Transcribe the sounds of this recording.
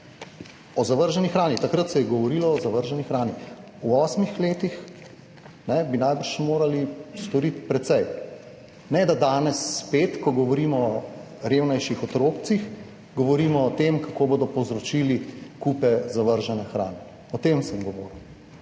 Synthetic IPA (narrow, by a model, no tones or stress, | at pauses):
ɔzaʋəɾʒɛnixɾaːnit̪akɾat̪sɛjɛɡɔʋɔɾiːlɔːzaʋəɾʒɛnixɾaːni | uɔːsmixleːt̪ix | nɛbinajbəɾʃmoːɾalist̪ɔɾit̪pɾɛt̪sɛj | nɛd̪ad̪aːnɛsːpeːt̪kɔɡɔʋɔɾiːmɔ | ɾeːwnajʃixɔt̪ɾoːk̚t̪six | ɡɔʋɔɾiːmɔːt̪emkakoːbod̪ɔpɔwzɾɔt͡ʃiːlikupɛzaʋəɾʒɛnɛxɾa̰ːnɛ | ɔt̪eːmsəmɡɔʋɔːɾw